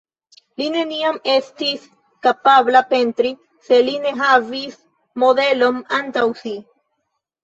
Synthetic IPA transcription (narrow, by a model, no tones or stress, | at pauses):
line̞niame̞stis | kapablape̞ntɾi | se̞line̞ɦavis | mo̞de̞lo̞nantawsi